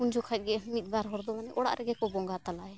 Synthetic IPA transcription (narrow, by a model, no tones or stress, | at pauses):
und͡ʒʱɔkʰac̚ɡɛmit̪̚baɾɦɔɾd̪ɔmanɛʔɔɽa̰ʔɾɛɡɛkɔbɔŋɡat̪alaɛ